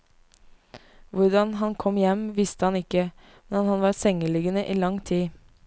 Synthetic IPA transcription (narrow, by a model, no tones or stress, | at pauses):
ʋʊɾd̪ɑnhɑnkʰɔmjɛmʋɪst̪əhɑnɪkə | mnɛnhɑnʋɑːɾsɛŋəlʏɡənəʔiːlɑŋt̪ʰiː